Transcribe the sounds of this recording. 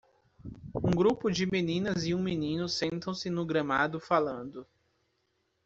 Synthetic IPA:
ũɡɾupʊd͡ʒɪminĩnɐzɪũminĩnʊsẽnt̪ɐ̃w̃sɪnʊɡɾɐmad̪ʊfalɐ̃nd̪ʊ

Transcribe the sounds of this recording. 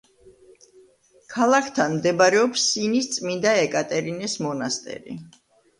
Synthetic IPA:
kʰalˠakʰt̪ʰanmd̪ɛbɾɛɔpsːinist̪sʼmind̪aɛkʼat̪ʼɛɾinɛsmɔnast̪ʼɛ̰ɾḭ

